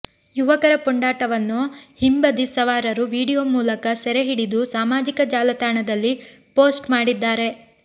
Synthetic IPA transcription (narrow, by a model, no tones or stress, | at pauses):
juʋɐkɐɾɐpuɳɖaːʈɐʋɐnːuhimbɐd̪isɐʋaːɾɐɾuʋiːɽijoːmuːlɐkɐsɛɾeɦiɽid̪usaːmaːd͡ʒikɐd͡ʒaːlɐt̪aːɳɐd̪ɐlːi | po̞ːsʈmaːɽid̪ːaːɾe̞